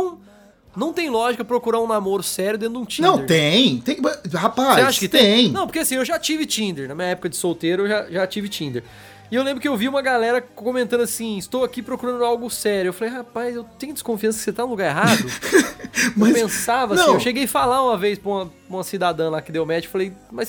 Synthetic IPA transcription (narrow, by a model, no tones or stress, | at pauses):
nɐ̃w̃ | nɐ̃w̃t̪ẽj̃lɔʒikɐpɾokuɾaũnamoɾʊsɛɾjʊd̪ẽnd̪ʊũt͡ʃĩñɐ̃w̪̃eɾt̪ẽj̃t̪ẽj̃ɐhapasseaʃɐkɪt̪ẽj̃nɐ̃poɾkeasĩewʒat͡ʃivɪt͡ʃĩnd̪eɾnɐmĩɲɐɛpʊkɐd͡ʒɪsowt̪eɾʊewʒaʒat͡ʃivɪt͡ʃĩd̪eɾ | ɪewlẽmbɾʊkɪewviũmɐɡalɛɾɐkõmẽnt̪ɐ̃nd̪ʊasĩɪst̪owakipɾokuɾɐ̃nd̪ʊawɡʊsɛɾjʊewfalejɦapajzewt̪ẽj̃ʊd͡ʒɪskõfiɐ̃sɐkɪset̪anũluɡaɾeɦad̪ʊ | mɐspẽsavɐanĩewʃeɡejfalaũmɐvejspɾũmɐ | ũmɐsid̪ad̪ɐ̃lakɪd̪ewmɛt͡ʃkɪ̥falejmɐjs